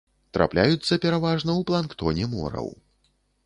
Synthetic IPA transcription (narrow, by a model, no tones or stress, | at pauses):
t̪ɾa̰plʲajut̪sːɐpʲɛɾavaʐnɐwplˠankt̪ɔnʲɛmɔ̰ɾɐ̰w